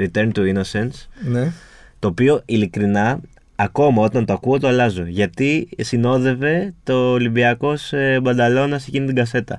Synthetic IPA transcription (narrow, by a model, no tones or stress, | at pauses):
ɾit̪e̞ɾnt̪uino̞se̞nsn | t̪o̞ːpio̞ʔilikɾinɐː | ko̞mɐo̞t̪ɐnt̪o̞ɐkuot̪oɐlɐzo̞ʝɐt̪isino̞ðe̞ve̞t̪o̞ːliviɐko̞sbɐnd̪ɐlo̞nɐse̞cinit̪iŋɡɐse̞t̪ɐ̰